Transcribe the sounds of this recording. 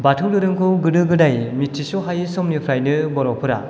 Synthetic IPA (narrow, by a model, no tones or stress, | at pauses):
batʰɯwdɯɾɯŋkʰɯwɡɯdɯɡɯdajmitʰːisɔɦajsɔmnipʰɾajnɯbɔɾɔpʰɯɾa̰